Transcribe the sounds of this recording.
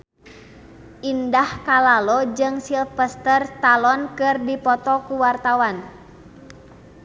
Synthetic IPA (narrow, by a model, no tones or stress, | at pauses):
ʔindahkalalɔd͡ʒɨŋsilfəst̪ərt̪alɔnkɨrdipɔt̪ɔkuwart̪awan